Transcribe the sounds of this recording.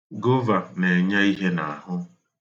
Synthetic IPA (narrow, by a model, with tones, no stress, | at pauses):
ɡo˦va˨ne˨ɲa˦i˦ɦe˦na˨a˨hʊ˦